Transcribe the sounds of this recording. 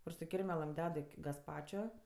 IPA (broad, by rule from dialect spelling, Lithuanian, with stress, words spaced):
kʊr sʊ ˈkʲɪrʲmʲɛlˠɘm ˈdʲɛt ɪ ɡɐsˈpɑːt͡ʃʲoː